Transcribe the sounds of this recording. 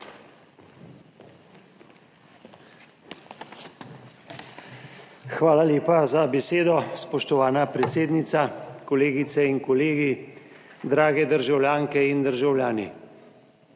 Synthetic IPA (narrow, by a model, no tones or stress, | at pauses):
xʋaːlaljeːpazabɛseːd̪ɔspɔʃt̪ɔʋaːnapɾɛt̪seːd̪nit̪sakɔleːɡit̪sɛinkɔleːɡi | d̪ɾaːɡɛd̪əɾʒawljaːŋkɛind̪əɾʒawljaːnḭ